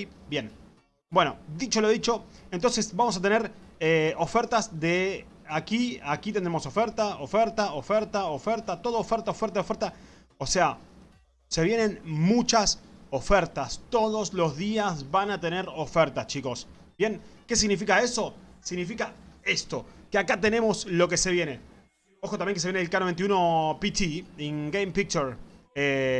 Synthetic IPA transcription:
bje̞n | bwe̞nod̪it͡ʃo̞loðit͡ʃo̞ent̪o̞nsesbamo̞s̬at̪e̞neɾeo̞feɾt̪azðe | akiakit̪end̪ɾemo̞so̞feɾt̪aofeɾt̪aofeɾt̪aofeɾt̪at̪o̞ðoofeɾt̪aofeɾt̪aðeofeɾt̪a | osea | se̞βje̞nẽ̞nmut͡ʃasofeɾt̪ast̪o̞ðo̞slo̞zðiazβanat̪e̞ne̞ɾo̞feɾt̪ast͡ʃiko̞s | bje̞ŋke̞s̬iɣnifikaeso̞siɣnifikaest̪o̞keakat̪e̞ne̞mo̞slo̞k̬e̞se̞βje̞ne̞ | oxot̪amjeŋkesejeneelkanoent̪iuno̞pit̪ʰiiŋɡejmpik̚t͡ʃeɾe

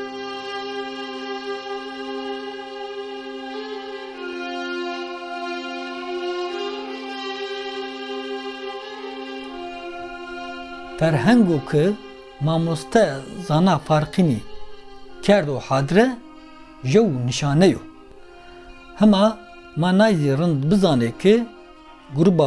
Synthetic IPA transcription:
fɛɾɦɛŋɡoːkʰɨ | mɑːmost̪ʰɛzɑːnɑːfɑːɾqiniː | kʰɛɾd̪oːħɑːd̪ɾɛ | ʒɛwnɨʃɑːnɛjo̰ː | hɛmɑː | mɑːnɑːjziːrɨnd̪bɨzɑːnekʰɨ | ɡuɾuba

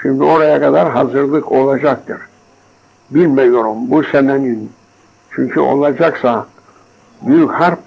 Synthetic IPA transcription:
ʃimd̪io̞ɾajakad̪aɾɦazɯɾlˠɯkʰo̞lˠad͡ʒak̚t̪ʰɯɾ | bilʲmɛjo̞ɾumbusɛmænin | t͡ʃʰyɲcʰyʔo̞̰lˠad͡ʒaksa | byjychæɾ

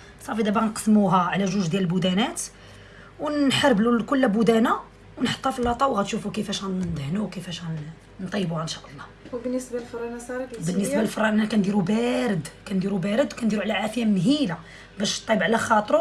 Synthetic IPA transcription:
sˤɑfid̪æbænqə̥smuɦæʕlæʒuʒd̪jæləlbud̪ænæt̪ | wnħɑɾˤblukʊlːæbud̪æna | wnħə̥t̪ˤːɑfilːɑt̪ˤɑwɣæt̪ʃufukəfæʃænd̪hnuwkəfæʃæn | nt̪ˤɑjːbuhænʃɑʔəlˤːɑhbənːəsbalfɾˤɑnsˤɑɾˤkbənːəsbalfɾˤːɑʔænækænd̪iɾubæɾəd̪kænd̪iɾubæɾəd̪wkænd̪iɾuʕlæʕafjæmnɦila | bæʃt̪ˤːibʕlæxɑt̪ˤɾu

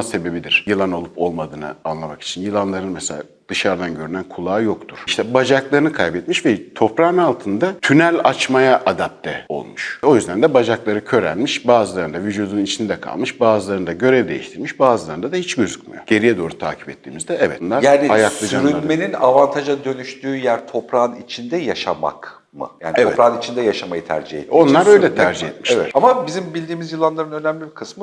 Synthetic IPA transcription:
se̞be̞bid̪iɾ̥jɯlˠano̞lˠupʰo̞lˠmad̪ɯːnɯ̰anlˠamaki̥t͡ʃʰinjɯlˠanlˠaɾɯnmɛsḛa̰ | d̪̥ɯʃaɾd̪anɟøɾynænkʰulˠaːjo̞kt̪ʰuɾ̥iʃt̪ʰɛbad͡ʒaklˠaɾɯnɯkʰajbɛt̪miʃvɛt̪ʰo̞pɾanalˠt̪ʰɯnd̪at̪ʰynælʲat͡ʃmajaʔad̪ap̚t̪ʰɛo̞̰lˠmuʃo̞jyzd̪ænd̪ɛbad͡ʒaklˠaɾɯcʰø̞ɾæ̰lʲmiʃbaːzɯlˠaɾɯnd̪avid͡ʒud̪unnit͡ʃʰind̪ɛkʰa̰lˠmɯʃbaːzɯlˠaɾɯnd̪aɟø̞ɾɛd̪e̞̰jḭʃt̪ʰiɾmiʃbaːzɯlˠaɾɯnd̪ad̪ahit͡ʃɟø̞zycmḭjo̞̰ɟ̥e̞ɾijɛd̪o̞ːɾut̪ʰa̰ːcʰi̥pɛt̪ʰːiːmizd̪ɛɛvɛ̰t̪nlˠaɾjaːniajakslˠɯd͡ʒayɾyanme̞ninavant̪ʰaʒad̪ø̞nyʃt̪ʰyːjæɾt̪ʰo̞pɾanit͡ʃʰind̪ɛjaʃama̰k | mɯ̰jaːniɛvoɛtpɾanit͡ʃʰind̪ɛjaʃamajɯt̪ʰæ̰ɾd͡ʒihḛo̞nˠaɾøjlʲɛt̪ʰæɾd͡ʒihɛt̪̚miʃevɛamabizimbilʲd̪iːmizjɯlˠːanlˠaɾɯnø̞næmlʲibikʰɯsmɯ

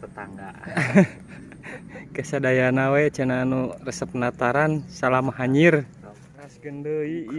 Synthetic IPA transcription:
ət̪aŋɡa | kəsadajanawɛt͡ʃənaːnurəsəp̚nat̪aɾansalamaɦaɲir | kasɡəndəi

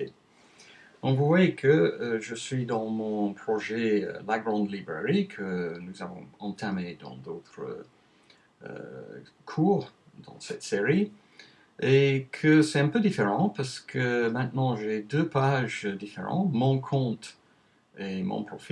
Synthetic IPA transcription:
ɔ̃vuvwajekʰəʒəsɥid̪ɑ̃mɔ̃ɔ̃pχɔʒḛlaɡʁɑ̃d̪libʁeʁikʰənuzavɔ̰̃ɑ̃t̪amed̪ɑ̰̃d̪ot̪χə̰ | ə̰ | kʰuːʁ | d̪̥ɑ̰̃sɛt̪seʁi | ekʰəsɛt̪ɛ̃pød̪ifeʁɑ̃paʁsə̥kʰəmɛ̃t̪nɑ̃ʒed̪øpaʒd̪ifeʁɑ̰̃mɔ̃kʰɔ̃t̪ | emɔ̰̃pχɔfi

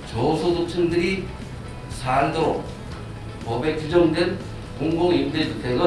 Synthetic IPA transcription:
t͡ɕʌsʰosʰok̚t͡ɕʰɯndɯɾi | sʰandoɾo | pʌbe̞t͡ɕud͡ʑʌŋdwen | koŋɡoŋimded͡ʑutʰeɡʌ

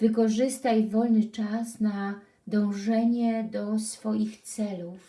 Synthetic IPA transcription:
vɘkɔʐɘst̪ajvɔlnɘt͡ʂasna | d̪ɔ̃w̃ʐɛɲɛd̪ɔsfɔjixt̪sɛluf

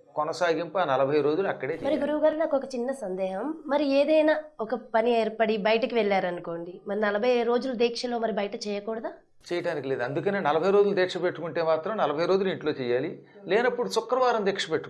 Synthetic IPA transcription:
kɔnɐsaːɡimpaːnɐlɐbʱɐjɾo̞ːd͡ʒuluɐkːɐɽeːt͡ʃːmɐɾiɡuɾuʋɐɡaːɾunaːkɔkɐt͡ʃinːɐsɐnd̪ɛːɦɐmːɐɾieːd̪ɐjnaːɔkɐpɐnieːɾpɐɽibɐjɐʈɐkiʋɛɭːaːɾɐnuko̞ːɳɖimɐɾinɐlɐbʱɐjɾo̞ːd͡ʒulud̪ɛːkʂɐlo̞ːmɐɾibɐjɐʈɐt͡ʃɛːjɐkɔːɽɐd̪aː | t͡ʃɛːjɐʈaːnikileːd̪uɐnd̪ukɐneːnɐlɐbʱɐjɾo̞ːd͡ʒulud̪ɛːkʂɐpeʈːukuɳʈeːmaːt̪ɾɐmnɐlɐbʱɐjɾo̞ːd͡ʒuliɳʈlo̞ːt͡ʃɛːjːaːlileːnɐpːuɽusʊkːɐɾɐʋaːɾɐmd̪ɛːkʂɐpeʈːu̥k

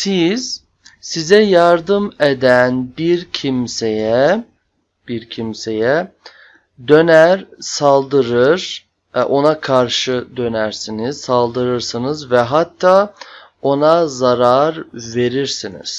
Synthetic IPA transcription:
siz̥ | sizɛjaɾd̪ɯmed̪ænbiɾcʰimsejɛ | b̥iɾcʰimse̞jɛ | d̪ø̞næɾsalˠd̪ɯɾɯɾ̥ | ʔo̞nakʰaɾʃɯd̪ø̞næɾsiniz̥salˠd̪ɯɾɯɾsɯnɯzvɛɦat̪ʰːaː | o̞nazaɾaɾve̞ɾiɾsinḭz̥

